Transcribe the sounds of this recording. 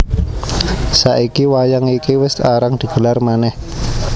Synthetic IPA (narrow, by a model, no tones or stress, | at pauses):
saʔikiwajaŋikiwɪst̪aɾaŋd̪̥i̤ɡ̥əlarmanɛh